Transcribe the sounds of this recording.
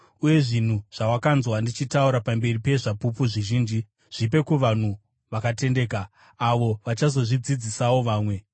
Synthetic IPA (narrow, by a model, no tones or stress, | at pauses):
uje̞ʐin̤uʐ̥awakanzwandit͡ʃitauɾapambe̞ripe̞ʐapupuʐiʒiːnd͡ʒi | ʐ̥ipe̞kuʋan̤u | ʋakate̞nde̞ːkaː | ʋo̞ʋat͡ʃazo̞ʐid͡zid͡zisawo̞ʋaːmwe̞